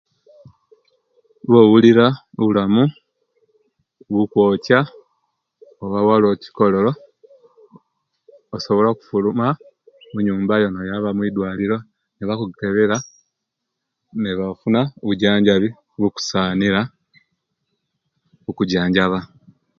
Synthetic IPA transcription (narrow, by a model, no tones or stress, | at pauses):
βoːwuliɾaoβulamu | βukwo̞ːca | oβawaloci̥ko̞lo̞lo̞ | soβo̞laku̥fuluma | muɲuːmbajonojaβamwid̪waːliɾo̞ | neβakukeβeɾa | neβafunaoβuɟaːɲɟaβi | βuku̥saːniɾa | okuɟaːɲɟaβa